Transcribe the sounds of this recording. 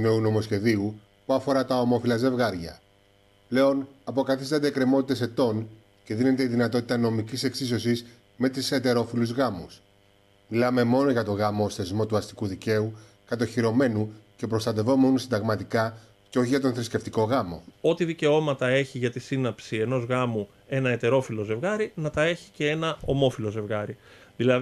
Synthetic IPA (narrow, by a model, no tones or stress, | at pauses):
neuno̞mo̞sce̞ðiu | puɐfo̞ɾɐt̪ɐo̞mo̞filɐze̞vɣɐɾʝɐ̰ | ple̞o̞nɐpo̞kɐθist̪ɐnd̪eːkɾe̞mo̞t̪it̪e̞se̞t̪o̞n | ce̞ðine̞t̪e̞iðinɐt̪o̞t̪it̪ɐno̞micise̞ksiso̞sis | me̞t̪ise̞t̪e̞ɾo̞filuzɣɐmus | milɐme̞mo̞no̞ʝɐt̪o̞ɣɐmo̞sθe̞zmo̞t̪uɐst̪i̥kuðice̞u | kɐt̪̬oçiɾo̞me̞nuce̞pɾo̞st̪ɐt̪e̞vo̞meonusind̪ɐɣmɐt̪ikɐ | ceo̞çiʝɐt̪o̞nθɾisce̞ft̪iko̞ɣɐmo̞̰o̞t̪iðice̞o̞mɐt̪ɐe̞çiʝɐt̪isinɐpsie̞no̞zɣɐmu | e̞nɐe̞t̪e̞ɾo̞filo̞ze̞vɣɐɾinɐt̪ɐe̞çi̥ce̞e̞nɐo̞mo̞filo̞ze̞vɣɐɾiðilɐ